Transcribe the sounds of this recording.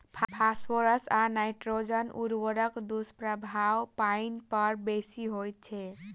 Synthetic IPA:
pʰpʰaspʰoɾəsanajʈɾod͡ʒɔnʔuɾbɔɾɔkd̪uspɾabʱawpajnpɔɾbesiɦojt͡ʃʰe

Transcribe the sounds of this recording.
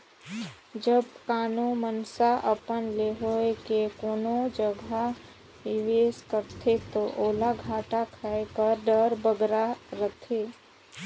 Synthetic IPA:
d͡ʒəbkaːnomənsaʔəpənleɦoekekoːnod͡ʒəɡʱa | ɪʋeːskəɾt̪ʰet̪oʔoːlaɡʱaːʈakʰaekəɾɖəɾbəɡɾaɾət̪ʰe

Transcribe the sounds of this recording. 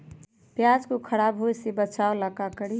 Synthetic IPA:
pjad͡ʒkokʰəɽabɦojsebət͡ʃaoləkakəɽi

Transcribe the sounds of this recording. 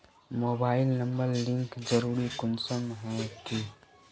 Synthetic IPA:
moːbaːɪlnə̃mbəɾlɪ̃ŋkd͡ʒəɾuːɾikʊnsəmɦɛ̃kiː

